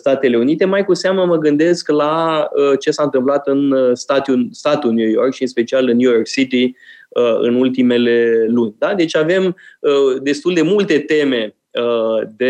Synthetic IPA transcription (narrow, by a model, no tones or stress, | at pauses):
st̪at̪e̞le̞unit̪e̞majkuseaməməɡɨnd̪e̞sklaət͡ʃe̞saɨnt̪ɨmplat̪ɨnst̪at̪just̪at̪unjujorkʃiɨnspe̞t͡ʃialɨnjujo̞rksit̪iəɨ̰nult̪ime̞le̞lunʲd̪ad̪e̞t͡ʃʲave̞məd̪e̞st̪uld̪e̞mult̪e̞t̪e̞me̞ | əd̪e